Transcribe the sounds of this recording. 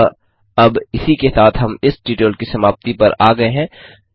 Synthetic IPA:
ɐbɪsikesaːt̪ʰɦɐmɪsɖiːʈeːlkisɐmaːbt̪ipɐɾaːɡɐeɦɛ̃ː

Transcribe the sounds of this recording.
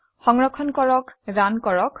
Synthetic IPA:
xɔŋɹɔkʰɔnkɔɹɔkdankɔɹɔk

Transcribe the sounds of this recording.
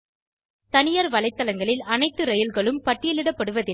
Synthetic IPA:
t̪ɐnɪjɐɾʋɐlɐɪt̪ːɐlɐŋɡɐɭɪlɐnɐɪt̪ːɯɾɐjɪlɣɐɭɯmpɐʈːɪjɐlɪɽɐpːɐɽɯʋɐðɪ

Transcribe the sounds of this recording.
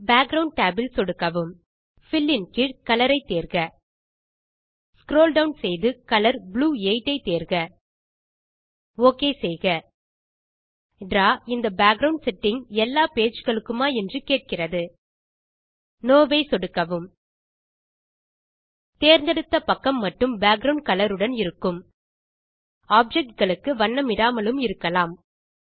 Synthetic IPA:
baːɡ̚ɾɐʊɳɖ̚ʈaːbɪlsɔɽɯkːɐʋɯm | fɪlːɪnkɪkɐlɐɾɐɪt̪ːeːɾɣɐ | skɾoːlɖɐʊnsɛjðɯkɐlɐɾbɭuːeɪʈːɐɪt̪eːɾɣɐ | oːkeːsɛjɣɐ | ɖraːɪnd̪ɐbaːɡ̚ɡɾɐʊɳɖsɛʈːɪŋɛlːaːpeːt͡ʃɣɐɭɯkːɯmaːɛndrɯkeːʈ̚kɪrɐðɯ | noːʋeɪsɔɽɯkːɐʋɯm | t̪eːɾnd̪ɐɽɯt̪ːɐpɐkːɐmːɐʈːɯmbaːɡɾɐʊɳɖ̚kɐlɐɾɯɽɐnɪɾɯkːɯm | aːb̚d͡ʒɛk̚ʈ̚ɡɐɭɯkːɯʋɐɳːɐmɪɽaːmɐlɯmɪɾɯkːɐlaːm

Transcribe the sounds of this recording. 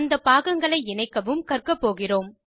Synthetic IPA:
nd̪ɐpaːɣɐŋɡɐɭɐɪɪnɐɪkːɐʋɯmkɐrkɐpːoːɣɪroːm

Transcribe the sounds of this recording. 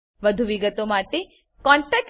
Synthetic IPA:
ʋəd̪ʱuʋiɡət̪omaʈe | kɔɳʈɛk̚

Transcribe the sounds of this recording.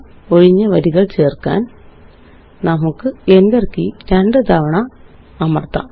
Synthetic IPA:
o̞ɻiɲːɐʋɐɾiɣɐɭt͡ɕe̞ːrkːa̰ːn | nɐmukːɨend̪erkːiɾeɳɖɨt̪ɐʋɐɳɐː | mɐrt̪ːɐ̰

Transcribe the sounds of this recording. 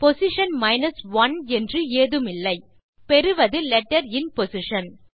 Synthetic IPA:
pɔsɪʂɐnmɐɪnɐsʋɐnɛndrɯeːðɯmɪlːɐɪ | pɛɾɯʋɐðɯlɛʈːɐɾɪnpɔsɪʂɐn

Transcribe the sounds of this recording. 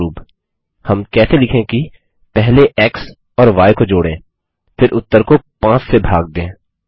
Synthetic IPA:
uːb | hɐmkɛːselɪkʰẽki | pɛɦleʔɛːks | ɔːɾʋaːjkod͡ʒoːɽẽː | fʰɪɾʔʊt̪ːəɾkopãːt͡ʃsebʱaːɡ̚d̪ẽː

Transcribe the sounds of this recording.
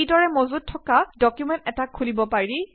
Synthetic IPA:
idɔɹɛmozut̚tʰːɔkadɔkjumɛ̃ntɛtakʰːulibɔpaɹi

